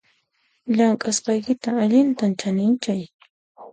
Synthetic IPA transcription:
ʎaŋkʼasqɑjkɪt̪aːʎɪnt̪ant͡ʃanɪnt͡ʃaj

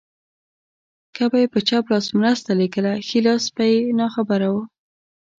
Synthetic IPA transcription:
kabajepət͡ʃɑplɑsmɾəst̪aleɡəlaxilɑspajenɑxabaɾawə

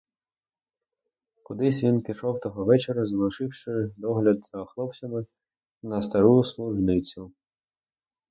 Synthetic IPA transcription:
kʊd̪ɪsʲʋʲinpʲiʃɔwt̪ɔɦɔʋɛt͡ʃeɾɐzlˠʊʃɪwʃɪd̪ɔɦlʲɐd̪sɐxlˠɔpt͡sʲɐmɪ | nɐst̪ɐɾuslˠʊʒnɪt͡sʲʊ

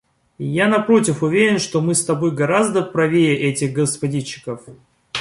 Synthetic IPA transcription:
janɐpɾo̞tʲɪfʊvʲeɾʲɪnʂt̪o̞mɨst̪ɐbo̞jɡɐɾazd̪əpɾɐvʲeɪʔɛtʲɪɣɡəspɐdʲit͡ɕːɪ̥kəf

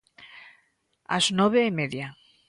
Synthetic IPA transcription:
a̰znɔβ̞eːmeðja

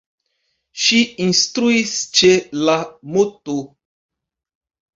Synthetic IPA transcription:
ʃiĩnstɾuist͡ʃelamoto

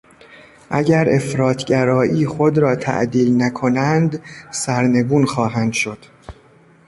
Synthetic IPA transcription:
ʔæ̰ɟæɾe̞̰fɾɒːt̪ʰɟæɾɒːʔiːxo̞d̪ɾɒːt̪ʰæ̰ʔd̪iːlnækʰo̞nænd̪sæɾne̞ɡuːnxɒːɦænd̪̥ʃo̞d̪̥

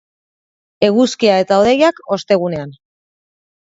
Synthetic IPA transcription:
e̞ɣuskiae̞t̪alðejako̞st̪e̞ɣ̞une̞an

